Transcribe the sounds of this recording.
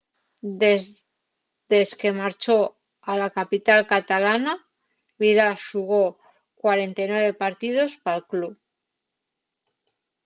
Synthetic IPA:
e | d̪e̞ske̞maɾt͡ʃo̞ | alakapit̪alkat̪alana | βiðaʃuɣ̞o̞ | kwaɾe̞nt̪ajnwe̞βe̞paɾt̪ið̞o̞spalklup

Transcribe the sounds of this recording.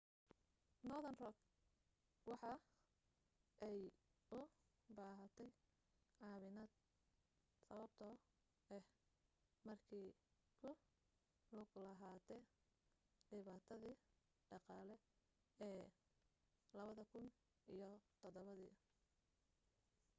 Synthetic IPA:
nɔðɐnrɔk | wɑħɑ | ʔɛj | ʊ | baːɦɐt̪ʰɛj | ʕɑːβɪnaːd̪̥̚ | sɐβɐbt̪ʰɔː | ɛh | mɐrkʰiː | kʰʊ | lʊɡlɐɦaːt̪ʰɛ | ɖɪβaːt̪ʰɐðiː | ɖɑqɑːlɛ | ɛː | lɐβɐðɐkʰʊn | ijɔt̪ʰɔd̪ɔβɐðḭː

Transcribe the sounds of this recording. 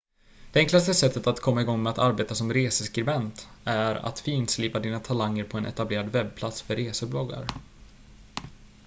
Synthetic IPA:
d̪̥ɛɛŋklast̪əsɛt̪ːət̪at̪kʰɔmːaɪɡɔŋːmɛat̪aɾbeːt̪asɔmɾeːsəskɾɪbɛnt̪æɾa̰t̪fiːnt̪sliːpad̪iːnat̪ʰalaŋːəɾpʰɔɛnʔɛ̰t̪ableːɾad̪vɛb̚pʰlat̪sfœɾeːsəblɔɡːa̰ɾ

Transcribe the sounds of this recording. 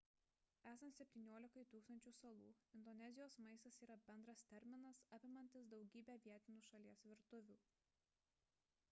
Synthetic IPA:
æːsɐnt̪sʲɛp̚ʲt̪ʲiːnʲoːlʲɪkɐɪt̪uːkst̪ɐnʲt͡ʃʲuːsɐlˠuːɪnd̪ɔnʲɛzʲɪjoːsmɐɪst̪ɐsiːɾɐbʲɛnd̪ɾɐst̪ʲɛɾʲmʲɪnɐsɐpʲɪmɐnʲt̪ʲɪsd̪ɒʊɡʲiːbʲɛːʋʲiɛt̪ʲɪnʲuːʃɐlʲiɛsʋʲɪɾt̪ʊʋʲuː

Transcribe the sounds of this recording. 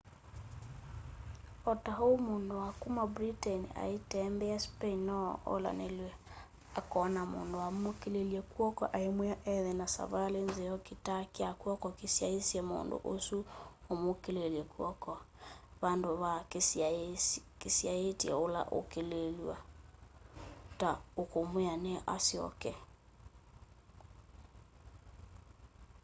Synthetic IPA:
ɔtaɦomoːndowakumabɾitɛnia̰etɛmbɛaspeinnɔo̰la̰nelwɛ | akɔnamo̰ːndowamokeleljɛkwɔkɔʔaemwaʔɛðɛnasa̰βalenzejɔkitakiakwɔkɔkesjaesjemo̰ːndo̰ʔosuomokeleljɛkwɔkɔ | βandoβa | kesjaetɛ̰ola̰ʔo̰kelelwa | taokomweaneʔa̰sjɔ̰kɛ

